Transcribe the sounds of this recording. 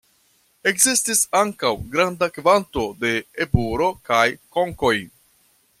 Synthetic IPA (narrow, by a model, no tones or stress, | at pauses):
e̞kzistisaŋkawɡɾandakvanto̞de̞ːbuɾo̞kajko̞ŋko̞j